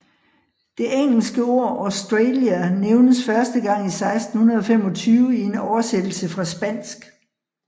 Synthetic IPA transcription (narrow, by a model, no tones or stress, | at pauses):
d̥e̝ʔeŋ̰l̩sɡ̥əo̝ɐ̰ɒʊsd̥ʁeljæneʊnəsfɶɐsd̥əɡ̥ɑ̈ŋ̰isɑ̈ɪsd̥n̩hunɐðˠɒ̽fem̰ɒ̽t͡sʰyːʊəie̝nɒʊɐsed̥l̩səfʁɑ̈sb̥æn̰sɡ̥